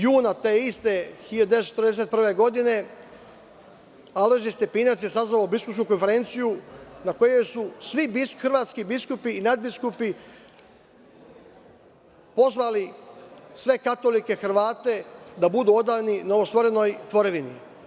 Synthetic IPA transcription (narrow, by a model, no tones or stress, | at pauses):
juːnat̪eːist̪e̞hiʎad̪et͡ʃet̪əɾd̪es̬e̞t̪̚pr̩ʋe̞ɡo̞d̪ine̞ | aleʒist̪epiːnat̪sje̞sazʋaobiskupskuko̞nfe̞ɾe̞ːnt̪sijunako̞je̞jsusʋibxrʋaːt̪skibiskupiːnad̪̚biskupi | po̞zʋali | sʋe̞kat̪o̞like̞xr̩ʋaːt̪e̞d̪abud̪uo̞d̪aːninoʋost̪ʋo̞ɾeno̞jt̪ʋo̞ɾeʋinḭ